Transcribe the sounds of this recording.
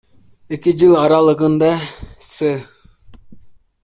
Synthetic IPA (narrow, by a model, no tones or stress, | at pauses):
ekʲɪd͡ʒɯlˠɑɾɑlˠɤʁɯnd̪ɑsɯ